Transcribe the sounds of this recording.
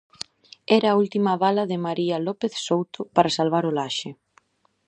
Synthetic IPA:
ɛɾɐːult̪imɐβ̞alɐðɪmaɾiɐlɔpeθsowt̪ʊpaɾasalβaɾʊlaʃɪ

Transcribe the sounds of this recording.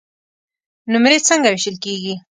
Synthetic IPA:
nʊmɾet͡səŋɡawɪʃəlkeɡi

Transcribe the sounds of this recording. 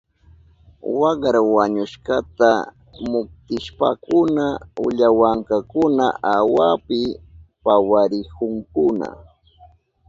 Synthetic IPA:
wɑɢɾawaɲʊʃkat̪a | mʊk̚t̪ɪʃpa̰kʊnaʊ̰ʎawaŋkakʊnaawapɪpawaɾɪkʊŋkʊna̰

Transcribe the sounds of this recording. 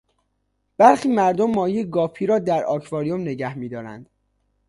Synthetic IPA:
b̥æɾxiːmæɾd̪omːɒːjieɡɒːpʰiːɾɒːd̪æɾɒ̰ːkʰvɒːɾijomne̞ɟæhmiːd̪ɒːɾæ̰nd̪̥

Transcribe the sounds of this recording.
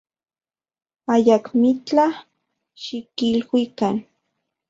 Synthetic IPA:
ajakmit͡ɬa | ʃikilwikan

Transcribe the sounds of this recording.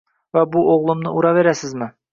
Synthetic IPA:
wæbuʔoʁlˠɤ̆mnɤ̰ʔuɾɑβeɾæsɘzmɘ

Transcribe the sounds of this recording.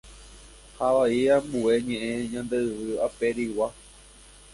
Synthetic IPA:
haʋaiambue̞ɲẽʔẽɲãnd̪eɨʋɨape̞ɾiwa

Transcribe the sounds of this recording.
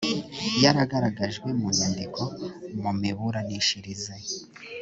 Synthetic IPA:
jaɾaɡaɾaɡaʒɡwe̞munaːndikʰo̞mumiβuɾaniʃiɾize

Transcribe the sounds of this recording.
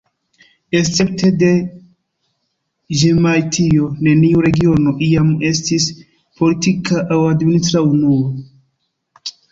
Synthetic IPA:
e̞st͡se̞p̚te̞de̞ | ʒemajtʰio̞ne̞niuɾe̞ɡio̞no̞ʔiame̞stis | po̞litikaʔawadminitɾaunuo

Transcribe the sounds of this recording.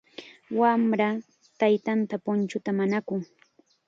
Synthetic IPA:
wamɾa | t̪ajt̪ant̪apʊnt͡ʃʊt̪amanakʊŋ

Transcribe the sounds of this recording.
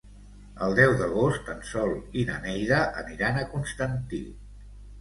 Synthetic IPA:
əlˠd̪ɛwðəɣ̞ost̪ənsɔlˠinə̰nɛjðəʔəniɾanəkunst̪ənt̪ḭ

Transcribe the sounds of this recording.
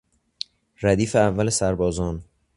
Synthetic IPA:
ɾæd̪iːfeævːælesæɾbɒːzɒːn

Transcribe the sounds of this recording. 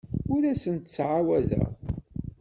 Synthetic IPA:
ʊɾæsənt̪t͡sːʕawæðə̰ʁ

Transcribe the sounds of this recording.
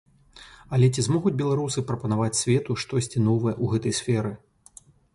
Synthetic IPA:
ɐlʲɛt͡sʲizmɔɣud͡zʲbʲɛlˠaɾusɨpɾɐpɐnavat͡sʲsʲvʲɛt̪uʂt̪ɔsʲt͡sʲinɔvɐjɛʔuɣɛt̪ɐjsʲfʲɛɾɨ

